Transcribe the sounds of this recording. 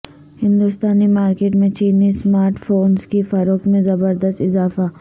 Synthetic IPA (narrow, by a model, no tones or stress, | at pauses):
hɪ̃nd̪ʊst̪aːnimaːɾkeːʈmẽt͡ʃiːnismaːɾʈfoːnskifɐɾokmẽzɐbəɾd̪əst̪ɪzaːfa